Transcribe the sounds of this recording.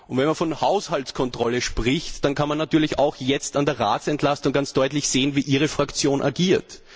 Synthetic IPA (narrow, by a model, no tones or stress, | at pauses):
ʔʊntvɛnmanfɔnhaʊshaltskʰɔntʁ̥ɔləʃpʁɪçtd̥ankʰanmanːatyːɐlɪça̰ʊxjɛt͡standeːɐʁa̰ːtsɛntʰlastʊŋɡant͡sd̥ɔʏtlɪçz̥eːənviːʔiːʁ̞əfʁ̥akt͡sjoːnʔa̰ɡiːɐt